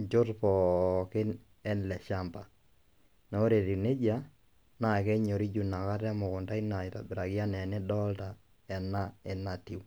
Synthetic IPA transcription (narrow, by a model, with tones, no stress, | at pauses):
d͡ʒo˦tpɔ˨kɪ˦n | ɛ˦nlɛ˨ʃa˦mba˨ | nɛ˨˦o˦ɾe˨ɾi˨ne˦d͡ʒa˦ | na˨kɛ˦ɲo˨ɾi˦d͡ʒu˨na˨ka˦ta˦mo˨kʊ˨nda˦ina˨i˨ta̰˨bɪ˨ɾa˨kja˦nɛ˨nɛ˦dɔ˦lta˨ | ɛ˨na˦ɛ˨na˨ti˨w